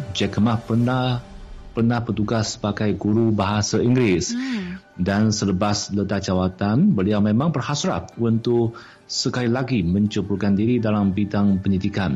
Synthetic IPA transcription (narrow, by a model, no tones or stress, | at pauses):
d͡ʒɛkəmapəna | pərnahpət̪uɡasːə̥baɡajɡuɾubaɦasaiŋɡɾɪs | dansələbaslət̪ad͡ʒawat̪anbəliawmẽmãŋbərhasɾa̰p̚unt̪ʊk | səkailaɡimə̃ɲt͡ʃəpurkandiɾidalambidaŋpəɲidikan